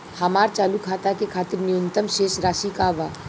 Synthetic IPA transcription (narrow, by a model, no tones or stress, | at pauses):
həmaːɾt͡ʃaːlukʰaːt̪akekʰaːt̪ɪɾnijʊnt̪əmʃeːʃɾaːʃikaʋaː